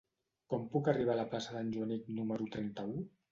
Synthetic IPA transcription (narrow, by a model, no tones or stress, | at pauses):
kɔmpukariβ̞aːləplasəðanʲʒuaniknuməɾut̪ɾɛnt̪əu